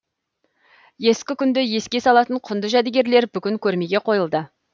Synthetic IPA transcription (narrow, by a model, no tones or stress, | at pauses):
je̞skʲɪkʲʰʏnd̪ɪje̞skʲe̞sɑlˠɑt̪əɴqʰʊnd̪əʒæd̪eɡʲe̞ɾle̞ɾbʏkʲɪŋkʲʰɵɾme̞ɡʲe̞qʰo̞jəlˠd̪ə